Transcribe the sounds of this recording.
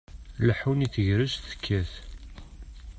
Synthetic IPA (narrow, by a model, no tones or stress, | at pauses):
ləħuniθəʝɾəzθə̥kʰːæθ